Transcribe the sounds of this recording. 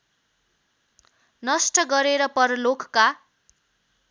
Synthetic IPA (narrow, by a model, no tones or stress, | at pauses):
nʌsʈʌɡʌɾeɾʌpʌrlokka